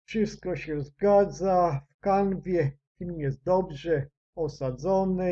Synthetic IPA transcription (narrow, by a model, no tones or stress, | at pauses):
fʂɘst̪̚kɔɕɛzɡad̪zafkanvʲjɛ | fʲilmjɛst̪̚d̪ɔbʐɛ | ɔsad̪zɔnɘ